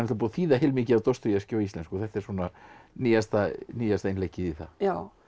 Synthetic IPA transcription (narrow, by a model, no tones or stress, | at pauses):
mt̪apuːðθiːðaɦeːlmɪːcɪavt̪owst̪ʏɾjascoːwist̪ɛnskɔθɛht̪ɛɾswɔːnaniːjast̪aniːjast̪aejnlehcɪðiθa̰jaw